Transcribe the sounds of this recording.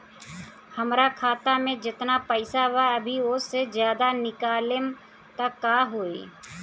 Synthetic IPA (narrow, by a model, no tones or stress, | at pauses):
hɐmɾakʰaːt̪amẽd͡ʒɪt̪napəɪsaʋaɐbʱiʊsezjaːd̪anɪkaːlɪm | t̪akːaɦoːeː